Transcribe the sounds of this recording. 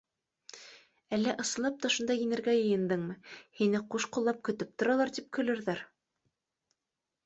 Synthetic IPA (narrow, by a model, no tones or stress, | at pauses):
ælːæʔɤ̆sɤ̆lˠɑp̚t̪ɑʃŭnd̪ɑjĭnɘ̆ɾɡæjɤ̆jɤ̆nd̪ɤɴmɤhinɘquʃqulˠːɑp̚kɵ̆t̪ɵp̚t̪ŏɾɑlˠɑɾt̪ip̚kʰɵ̆lɘ̆ɾðæɾ